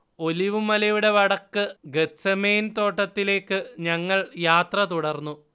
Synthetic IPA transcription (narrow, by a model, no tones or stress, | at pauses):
o̞liʋumɐlɐjuɽe̞ʋɐɽɐkːɨɡetsemeːnt̪o̞ːʈːɐt̪ːile̞ːkːɨɲɐŋːɐɭjaːt̪rɐt̪uɽɐrnːu